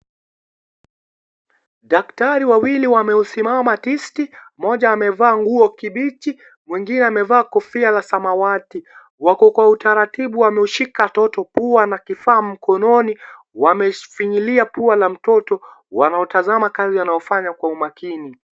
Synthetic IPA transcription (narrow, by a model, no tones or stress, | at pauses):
ɗaktaɾiwawiliwamɛusimamatistimɔʄaːmɛvaːŋɡuɔkiɓit͡ʃi | mwiŋɡinɛamɛvaːkɔfialasamawati | wakɔkwautaɾatiɓuamɛuʃikatɔtɔpuanakifaːm̩kʰɔnɔni | wamɛfiɲiliapualam̩tɔtɔ | wa̰naɔtazamakazianaɔfaɲakwaumakini